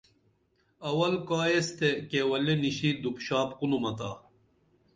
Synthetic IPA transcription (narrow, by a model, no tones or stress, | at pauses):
ɐwɐlkaːjest̪ekewɐleniɕid̪upɕaːpqunumɐt̪a̰ː